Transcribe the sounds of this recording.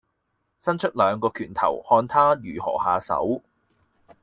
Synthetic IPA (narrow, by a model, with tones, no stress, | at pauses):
sɐ˥nt͡ʃʰɵ˥t̚lœː˨˧ŋkɔː˧kʰyː˨˩nt̪ʰɐ̰˨˩whɔː˧nt̪ʰaː˥jyː˨˩hɔ̰ː˨˩haː˨˧sɐ̰˨˥w